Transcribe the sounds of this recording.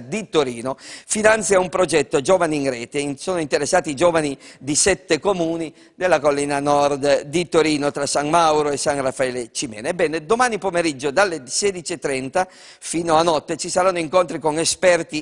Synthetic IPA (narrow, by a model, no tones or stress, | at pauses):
d̪it̪oɾiːnofinant̪sjaumpɾod͡ʒɛt̪ːod͡ʒoːvaniːŋɾɛːt̪esoːnoint̪eɾesːaːt̪id͡ʒoːvanid̪isɛt̪ːekomuːni | d̪elːakolːiːnanɔrd̪d̪it̪oɾiːnot̪ɾasaŋmawɾoesːaŋrafːaɛːlet͡ʃimɛ̰ːnebɛːned̪omaːnipomeɾid͡ʒːod̪alːeseːd̪it͡ʃiet̪ːɾɛnt̪a | fiːnoanɔt̪ːet͡ʃisaɾanːoiŋkont̪ɾikoŋespɛrt̪i